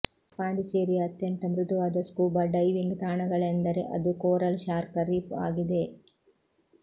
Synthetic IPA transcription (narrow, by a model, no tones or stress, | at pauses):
paːɳɖit͡ʃeːɾijɐɐt̪jɐnt̪ɐmɾud̪uʋaːd̪ɐskuːbɐɖɐjʋiŋɡt̪aːɳɐɡɐɭend̪ɐɾe̞ʔɐ̰d̪ukoːɾɐlʃaːɾkɐɾiːpa̰ːɡid̪e̞